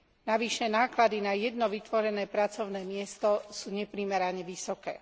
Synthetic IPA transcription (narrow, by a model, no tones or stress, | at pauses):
naʋiʃɛnaːklad̪inajɛd̪nɔʋit̪ʋɔɾɛnɛːpɾat͡sɔʊnɛːmɪɛst̪ɔsuːɲɛpɾimɛɾaɲɛʋisɔkɛ̰ː